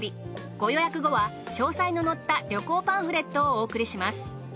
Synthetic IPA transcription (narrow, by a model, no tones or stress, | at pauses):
i | ɡ̥o̞jo̞jakɯ̟ɡo̞βa | ɕo̞ːsaino̞no̞t̪ːaɾʲo̞ko̞ːpãɰ̃ɸɯ̟ɾe̞t̪ːo̞ːkɯ̟ɾʲiɕimasɨ̥